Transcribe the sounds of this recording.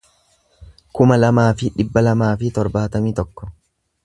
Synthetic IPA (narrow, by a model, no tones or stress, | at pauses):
kʊmɐlɐmaːfɪᶑɪbːɐlɐmaːfɪt̪ɔɾbaːt̪ɐmiːt̪ɔkːɔ̥